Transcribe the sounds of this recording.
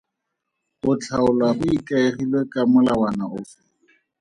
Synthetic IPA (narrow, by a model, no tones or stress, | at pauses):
ʊt͡ɬʰaʊlwahʊikʼaeχilwekʼamʊlawanaʊːfɪ̥